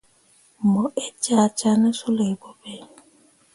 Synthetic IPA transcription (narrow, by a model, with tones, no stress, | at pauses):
mɔ˨ʔe˦t͡ʃa˦˨t͡ʃa˦nə˦su˦le˨e˨bo˦be˦